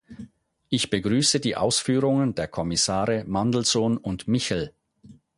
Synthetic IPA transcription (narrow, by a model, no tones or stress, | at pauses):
ʔɪçb̥əɡʁyːsədiːʔa̰ʊsfyːʁʊŋəndeːɐkʰɔmɪsaːʁəmandl̩zoːnʊntmɪçl̩